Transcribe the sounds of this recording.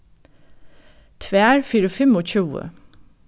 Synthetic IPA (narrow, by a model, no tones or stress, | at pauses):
t̪ʰʋeːæːɹfiːɾəfɛmoːc͡çʉːə̰